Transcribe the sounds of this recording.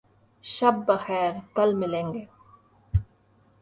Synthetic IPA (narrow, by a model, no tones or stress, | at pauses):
ʃɐb̚ːɐxɛːɾkɐlmɪlẽːŋɡeː